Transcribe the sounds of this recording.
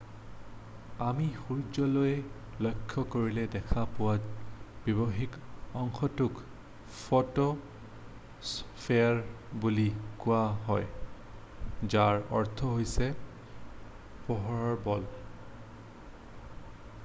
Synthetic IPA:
amixuɹd͡ʒɔlojɛ | lojkʰːɔkoɹilɛdɛkʰapʊwatb̥ibɔɦikɔŋxɔtuk | fɔto | spʰeaɹ | bulikʊwaɦɔj | zaɹɔ̰ɹt̪ʰɔɦojsɛ | pɔɦɔɹɔɹbɔl

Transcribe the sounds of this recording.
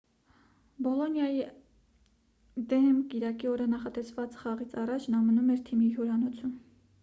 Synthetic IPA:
bɔlɔnjɑji | d̪ɛmkiɾɑkiɔɾənɑχɑt̪ɛsvɑt͡sχɑʁit͡sʰɑrɑt͡ʃʰnɑmənumɛɾt̪ʰimiɦuɾɑnɔt͡sʰum

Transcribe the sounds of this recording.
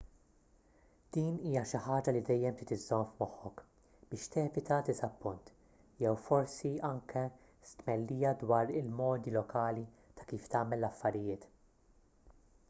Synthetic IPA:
d̪̥iːniːjɐʃɪħɐːd͡ʒɐlid̪ɛjːɛmt̪ɪːt̪ɪzːɔmfmɔħːɔk | b̥ɪːʃt̪ɛːvɪt̪ɐd̪ɪzɐpːʊnt̪ | jɛwfɔɾsiɐŋkʰɛ | st̪mɛlːiːjɐd̪wɐːɾɪlmɔːd̪ilɔkɐːli | t̪ɐ̥kiːft̪ɐːmɛlːɐfːɐɾɪjɪːt̪

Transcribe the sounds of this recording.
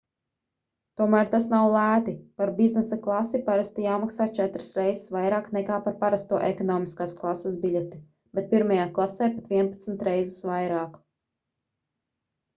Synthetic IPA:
t̪uɔmæːɾt̪asnawlˠæːt̪ipaɾbiznɛsaklˠasipaɾast̪ijaːmaksaːt͡ʃɛt̪ɾɨ̥sɾɛjzsvajɾaːknɛkaːpaɾpaɾast̪uɔʔɛkɔnɔːmiskaːsklˠasːasbiʎʲɛt̪i | b̥et̪̚piɾmajaːklˠasɛjpat̪viɛnpat̪sn̩t̪ɾɛjzɛsʋajɾaːk

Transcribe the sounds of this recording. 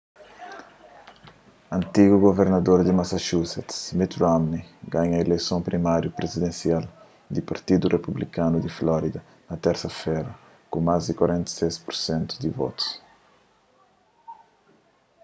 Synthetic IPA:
ɐ̃nt̪iɡuɡoveɾnɐd̪oɾd̪imasaʃusɛt̪mit̪ɾamniɡãɲɐelejsõmpɾimaɾjupɾezid̪ẽnsial | d̪ipaɾt̪id̪urʔepublikanud̪iflɔɾid̪ɐ | nɐt̪ɛɾsɐfɛɾɐ | kũmazd̪ikwaɾẽnt̪ɐ̥sespuɾsẽnt̪u̥d̪ivɔ̰t̪u̥s

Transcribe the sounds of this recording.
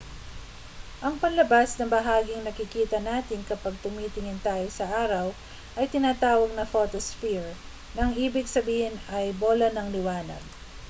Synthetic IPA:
ʔɐŋpɐnlɐbasnɐŋbɐɦaːɡɪŋnɐkɪkiːt̪ɐnaːt̪ɪnkɐpɐɡ̚t̪ʊmiːt̪ɪŋɪnt̪aːjosɐʔaːɾɐw | ʔɐjt̪ɪnaːt̪aːwɐɡ̚nɐfo̞ːt̪osfiɹ | nɐŋʔiːbɪɡsɐbiːhɪnɐjboːlɐnɐŋlɪwaːnɐ̰ɡ̚

